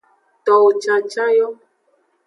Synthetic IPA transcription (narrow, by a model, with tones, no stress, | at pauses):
tɔ˨t͡ʃa˨t͡ʃa˦jɔ˦